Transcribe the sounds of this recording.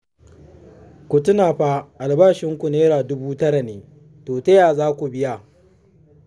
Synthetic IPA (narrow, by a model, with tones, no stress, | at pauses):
kʷʊ˨tʊ˦naː˨ɸa˦ʔa˨lbaː˦ʃɪ˦ŋkʷu˨neː˦ɾaː˨dʊ˦buː˦tɐ˦ɽa˨neː˨ | toː˨tɐ˦jaː˨zaː˦kʷu˨bɪ˦ja˨